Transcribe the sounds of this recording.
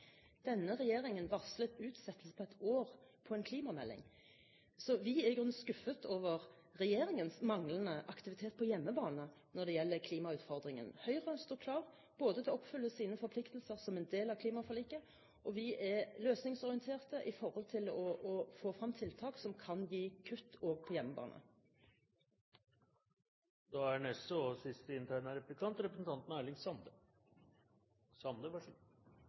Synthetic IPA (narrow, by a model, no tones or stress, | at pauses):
d̪̥ɛnːəʁɛjeːɾɪŋənʋɑʁslət̪ʉːt̪sɛt̪ːəsə̥pʰɔɛt̪oːʁpʰɔɛnkʰliːmɑmɛ̰lːɪ̰ŋ | sɔʋɪæʁɪɡʁʉnskʉfːət̪ʰoːʋəʁ | ʁɛjeːɾɪŋənsmɑŋlənəʔɑkt̪ɪʋɪt̪ʰeːt̪̚pʰɔjɛmːəbɑːnənɔʁd̪ɛjɛlːəkʰliːmɑʉːt̪fɔʁd̪ɾɪŋə̰nhœʏʁəst̪uːkʰlɑːʁ | b̥oːd̪ət̪ʰɛɔɔpfʏlːəsiːnəfɔɾpʰlɪkt̪əlsəʁsɔmɛnd̪eːlɑʋkʰliːmɑfɔʁliːkə | ʔɔʋɪʔɛløːsnɪŋsɔʁɪənt̪ʰeːʁt̪əʔɪfɔɾhɔlt̪ʰɪlɔʔɔfoːfʁɑmːt̪ʰɪlt̪ʰɑːksɔmkʰɑnjiːkʰʉt̪ːoːɡpʰɔjɛmːəbɑ̰ːnə̰ | d̪̥ɑːæɳɛsɔsɪst̪əɪnt̪ʰæɪnəɾɛplɪkʰɑnt̪ɾɛpɾəsn̩t̪ɑnt̪n̩ælɪŋsɑnd̪ə | sɑnd̪əʋɑʂ